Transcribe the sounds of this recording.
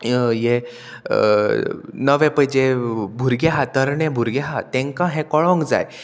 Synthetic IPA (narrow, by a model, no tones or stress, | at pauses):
je | nəʋɛ̃pəjd͡ʑebʱuɾɡeɦat̪əɾɳɛ̃bʱuɾɡeɦat̪ẽŋkãɦɛ̃kɔɭɔ̃ŋɡd͡za̰j